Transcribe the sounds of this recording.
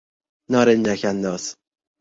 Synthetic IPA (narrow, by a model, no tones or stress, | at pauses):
nɒːɾend͡ʒækʰænd̪ɒːs